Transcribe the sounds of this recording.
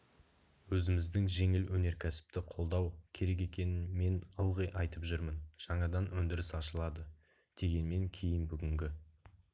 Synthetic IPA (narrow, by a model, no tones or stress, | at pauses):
wɵzɪmɪzd̪ɪŋʒe̞ŋɪlwɵne̞ɾkʲʰæsɪ̥p̚t̪ɪqʰo̞lˠd̪ɑwkʲʰe̞ɾe̞k̬e̞kʲe̞nɪnme̞nəlˠʁəjʔɑjt̪əpʒʏɾmənʒ̥ɑɴɑd̪ɑnwɵnd̪ɪɾɪsɑʃəlˠɑd̪ə | d̪̥e̞ɡʲe̞nme̞ŋkʲʰe̞jɪnbʏɡʲɪŋɡʲɪ